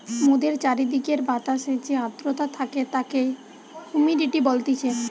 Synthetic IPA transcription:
mod̪eɾt͡ɕaɾid̪ikeɾbat̪aʃet͡ɕead̪ɾot̪at̪ʰaket̪ake | humiɖiʈibolt̪it͡ɕʰe

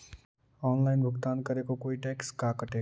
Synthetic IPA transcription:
ɔːnlaːɪnbʱʊɡt̪aːnkəɾekokoːiʈeːkskakəʈeː

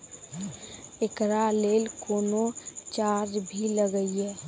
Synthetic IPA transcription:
ekɾaleːlkoːnot͡ʃaːɾd͡ʒbʱiləɡəiɦɛː

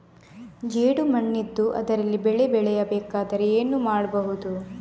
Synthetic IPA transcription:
d͡ʒeːɽumɐɳːid̪ːuʔɐ̰d̪ɐɾɐlːibɛɭebɛɭɛjɐbɛːkaːd̪ɐɾeeːnumaːɽɐbɐɦud̪u

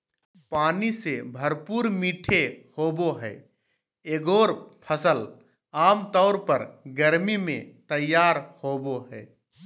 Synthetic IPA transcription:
paːnisebʱəɾpuːɾmiːʈʰehoːboɦɛː | eːɡoːɾpʰəsəl | aːmt̪ɔːɾpəɾɡəɾmimḛ̃t̪əjːaːɾhoːboɦɛː

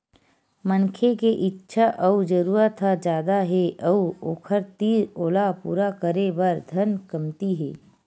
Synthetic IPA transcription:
mənkʰekeʔɪtːʃʰaʔɐud͡ʒəɾuːɾət̪ʰːad͡ʒjaːd̪aɦeʔɐuoːkʰəɾt̪iːɾoːlapṵːɾakəɾebɐɾd̪ʱɐnkɐmt̪iɦḛː

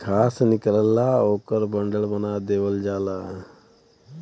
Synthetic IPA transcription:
kʰaːsnɪkələlaːoːkəɾbɐɳɖəɭbɐnaːd̪eːʋəld͡ʒaːlaː

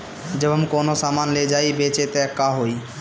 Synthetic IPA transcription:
d͡ʒəbəmkonosamanled͡ʒaːjbet͡ʃet̪ɛkːaɦoi

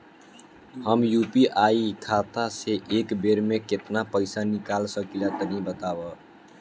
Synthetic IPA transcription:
həmjupiʔaikʰat̪aseʔekbeɾmẽket̪napəɪsanikalsəkilat̪ənĩbət̪abə

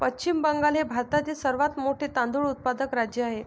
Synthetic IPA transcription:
pət͡ɕt͡ɕimbəŋɡalɦebʱaɾt̪at̪iːsəɾʋat̪moʈʰiːt̪ãnd̪uɭut̪̚pad̪əkɾad͡ʑjəaɦe

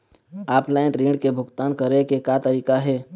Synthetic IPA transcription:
aːpʰlaɪnɾeɳɖkebʱʊɡt̪ankəɾekekat̪əɾiːkaɦɛ

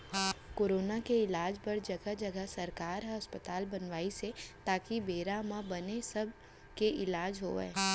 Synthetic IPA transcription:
koːɾoːnakeɪlaːd͡ʒpɐɾd͡ʒɐɡəd͡ʒɐɡəsɐɾkaːɾɦaɐspət̪aːlbɐnʋaːiset̪aːkibeːɾamãbɐnesɐb̚ | keʔɪlaːd͡ʒɦo̰ːḛː

